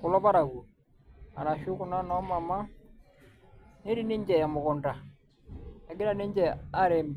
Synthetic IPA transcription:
kʊ˨lɔ˦pa˦ɾa˨ku˨ | a˨ɾa˨ʃʊ˦kʊ˨na˦nɔ˨˦ma˨ma˦ | ne˦ɾi˦˨ni˦ɲd͡ʒɛ˨a˨mʊ˨kʊ˨nda˨ | ɛ˨ɡɪ˦ɾa˦˨ni˦ɲd͡ʒɛ˦˨a˦ɾe˨mb

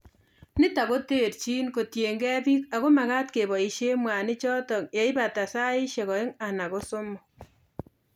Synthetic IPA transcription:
nɪ˦ta˨ko˦te˦˨ɾt͡ʃi˦nko˨tje˨ŋɡɛ˦bi˦ka˨ko˦ma˨ka˦tke˨βɔ˨i˨ʃe˦mwa˨ni˦t͡ʃɔ˦tɔ˨kja˨i˦ba˨ta˨sa˦i˦ʃe˨kɔ˨e˦ŋa˨na˨ko˦so˦mɔ˨

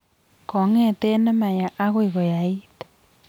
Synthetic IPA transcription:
kɔ˨˦ŋɛ˦˨te˦nɛ˦ma˨ja˨ʔa˦ɣwi˨ɣɔ˨ja˨i˦tḁ

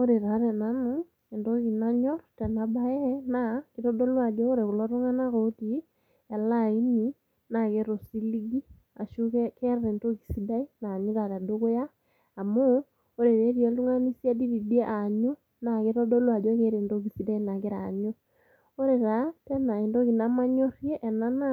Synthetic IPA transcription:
o˦ɾe˨ɾa˨˦ɾɛ˨na˨nu˦ | e˨ndo˦ɣi˨na˦ɲɔ˦ɾtɛ˨na˨ba˦ɛ˦na˦ke˨ɾɔ˦dɔ˦lwa˨d͡ʒɔ˦o˦ɾe˨ɣo˨la˦ɾu˦ŋa˦na˦ɣo˦ti˨ | ɛ˨la˦˨i˦ni˦ | na˨ke˦ɾo˨si˦li˦ɡi˦ | a˨ʃu˦kkɛ˦ɾaɾe˨nto˦ɣi˨si˦da˦i˦na˨ɲu˦ða˨ɾa˨do˦ɣo˦jaː˦˨ | moː˦ | ɾe˨ɾe˦ɾi˦e˨lu˦ŋa˦ni˦sja˦di˦βi˨di˦e˦ʔa˨ɲu˦ | na˨ke˦ɾɔ˦dɔ˦lwa˨d͡ʒɔ˦ke˦ɾe˨nto˦ki˨si˨da˦i˦na˨ke˦ɾa˨ɲo˦ | o˦ɾe˨ɾa˨tɛ˦na˨e˨ndo˦ɣi˨na˦ma˦ɲɔ˦ɾjɛ˦ʔɛ˨na˦na˦

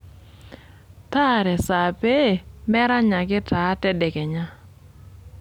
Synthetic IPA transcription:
t̪a˦˨ɾɛ˨sa˨pe˦˨mɛ˦ɾa˦ɲa˨kɪ˦ta˨˦tɛ˦dɛ˨kɛ˨ɲa˦

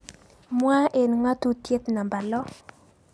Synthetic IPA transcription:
mwa˦ʔe˨nŋa˦tu˦tje˦t̪na˨mba˨lɔ˦

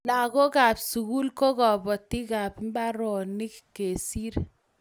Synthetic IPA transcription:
la˨ko˦ka˨bsu˨ku˦lko˦kɔ˨bɔ˨ti˦ka˨bm˦ba˦ɾɔ˨ni˦kke˨si˦ɾ

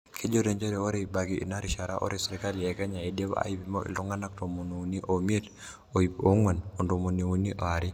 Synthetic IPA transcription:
kʰe˦d͡ʒo˦ɾeɲd͡ʒɛ˦ɾɛo˦ɾe˨i˨baɡiʔna˦ɾi˨ʃa˨ɾaʔo̰˦ɾesɛ˨ɾika˦liɛkɛ˦ɲa˨ide˦β̰a̰˦i˦pi˦mɔ˦ʔḭ˨lu˦ŋɡa˦na˦k̚tomo˨ni˨u˨ni˦ʔom˦e˦d | oio˦ŋwɛ˨no˨ndo˨mo˨ni˨u˦ni˦ʔɔ˨a˨ɾi˦

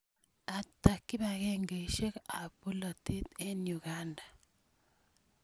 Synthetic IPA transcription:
a˨t̪a˨kːi˦ba˨ɡeŋɡe˨ʃe˦ka˨pu˦lo˨t̪i˦t̪e˦nju˨ɡa˦ndḁ˨

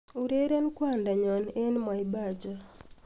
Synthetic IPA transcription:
u˨ɾe˦ɾa˦nkwa˦nda˨ɲɔ˨ne˦nma˨i˨ba˦˨d͡ʒa˦

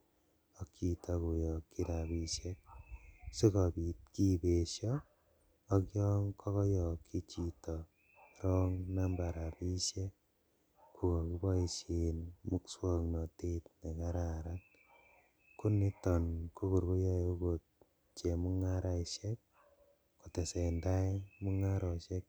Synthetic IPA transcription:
ɔ˦kʰi˨ta˦ku˨jɔ˨kːi˦ɾa˨bi˦ʃjɛ˦k̚si˦kɔ˨bi˨t̚ki˦be˨ʃjɔː˦ | kjɔ˦ŋkʰɔ˦kɔ˦jɔ˨kʰi˦t͡ʃi˨tɔ˨ | ɾɔ˦ŋna˦mba˨ɾa˨pi˦ʃje˦k̚ | ku˨kɔ˨ki˦bɔ˦i˨ʃe˨nmu˦kswɔ˦ŋnɔ˨te˦tne˨ka˦ɾa˨ɾat | ku˦ni˦tɔ˨nku˦ku˨ɾku˦jɔ˦o˦ko˨t̚ | t͡ʃe˨mu˦ŋa˦ɾa˦ʃɛ˦k̚ | ku˨tɛ˨sɛ˨nda˦jmu˦ŋa˦ɾɔ˨ʃɛ˦k̚

